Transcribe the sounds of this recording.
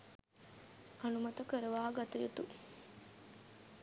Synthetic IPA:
ʔɐnumɐt̪ɐkəɾɐʋaːɡɐt̪ɐjet̪u

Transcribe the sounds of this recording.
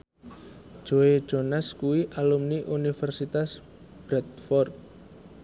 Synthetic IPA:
ʒ̥oe̥d͡ʒ̥onaskuwiʔalumniʔunifɛrsit̪as | b̥ɾɛt̪fɔrt̪̚

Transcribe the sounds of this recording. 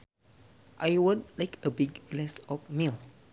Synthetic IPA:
ʔajwɔ̃nlajkʰəbiɡlɛsɔfmil

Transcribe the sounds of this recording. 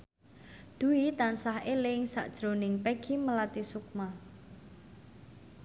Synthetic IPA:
d̪̥uit̪ansaheleŋsa̰ʔd̥ʒ̥ɾonɪŋpeɡ̥iməlat̪isuk̚ma

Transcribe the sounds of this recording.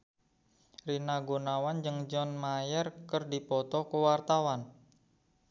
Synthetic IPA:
rinaɡonawand͡ʒɨŋd͡ʒɔnmajɛrkərdipɔt̪ɔkuwart̪awan

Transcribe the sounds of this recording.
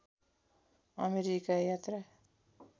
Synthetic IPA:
ʌmeɾikajat̪ra

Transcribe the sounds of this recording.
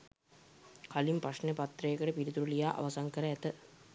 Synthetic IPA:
kʰalimpraʂnepat̪ːrəjekəʈəpiɾit̪uɾulijaːʔa̰ʋɐsaŋkəɾəæt̪ə

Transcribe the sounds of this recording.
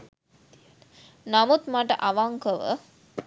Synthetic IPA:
namut̪maʈəʔɐʋaŋkəʋə̰

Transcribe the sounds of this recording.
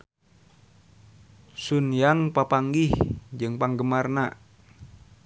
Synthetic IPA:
sunjaŋpapaŋɡihd͡ʒɨŋpaŋɡəmarnaʔ

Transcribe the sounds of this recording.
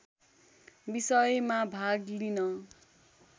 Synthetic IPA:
bisʌjmabʱaɡlinʌ

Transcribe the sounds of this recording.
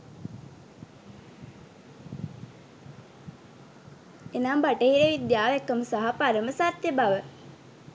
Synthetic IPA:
enaːmbaʈəɦiɾeʋid̪jaːʋekːəməsaɦapaɾəməsat̪jebaʋə

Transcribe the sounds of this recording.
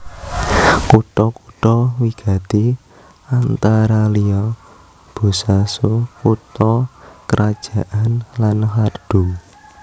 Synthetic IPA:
kuʈ̪ɔkuʈ̪ɔwiɡ̥ä̤t̪i | ant̪aɾaliɔ | b̥ṳsasokut̪ɔkəɾʔad̥ʒ̥ä̤ʔanlanɦard̪̥ṳŋ

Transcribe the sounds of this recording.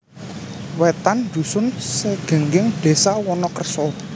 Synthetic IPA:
wɛt̪and̪̥ṳsʊnsəɡ̥ə̤ŋɡɪŋd̪̥e̤sawɔnɔkərsɔ

